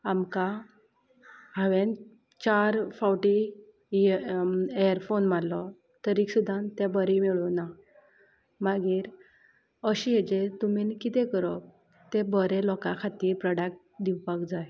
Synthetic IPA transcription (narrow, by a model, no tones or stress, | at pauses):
amka | ɦãʋẽn | t͡ɕaɾfawʈi | ejəɾfonmalɔ | t̪əɾiksud̪ʱant̪ɛ̃bəɾimiɭuna | maɡiːɾ | əɕiɦed͡ʑet̪um̤inkit̪ɛ̃kəɾɔ | t̪ebəɾelɔkakʰat̪iːɾpɾɔɽak̚ʈ | d̪iwpakd͡zaj